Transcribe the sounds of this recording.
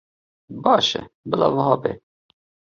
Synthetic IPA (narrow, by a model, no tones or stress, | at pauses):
bɑːʃɛ̰bəlɑ̰ːvəɦɑːbḛː